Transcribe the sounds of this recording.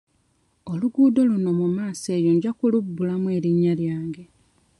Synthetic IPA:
o̞luɡuːdo̞luno̞mumaːse̞ːjoɲɟakulubːulamwe̞ːɾiɲːaljaːŋɡe̞

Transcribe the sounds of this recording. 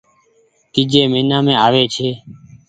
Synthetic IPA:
t̪iːd͡ʒeːmeːnãːmẽːaːʋeːt͡ʃʰeː

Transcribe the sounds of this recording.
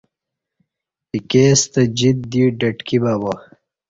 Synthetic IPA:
ikeːst̪ɐd͡ʑit̪̚d̪iːɖɐʈkibabo

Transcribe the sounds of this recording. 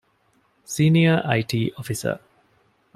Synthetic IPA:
siːniəʔaɪʈʰiːʔɔfisə̰

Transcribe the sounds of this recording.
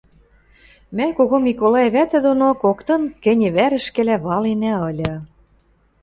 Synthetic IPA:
mækoɣomikolˠɑjĕβæt̪ɘ̆d̪onokokt̪ɤ̆nkɘ̆nʲɘ̆βæɾɘ̆ʃkɘ̆læβɑlenæɤ̆lʲɤ̆

